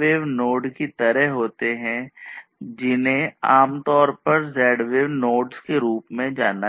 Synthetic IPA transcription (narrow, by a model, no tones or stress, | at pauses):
eːʋnoːɖkit̪ɐɾəɦɦoːt̪eɦɛ̃ | d͡ʒɪnẽaːmt̪ɔːɾpɐɾzɛːɖʋeːʋnoːɖskeɾuːpmẽd͡ʒaːna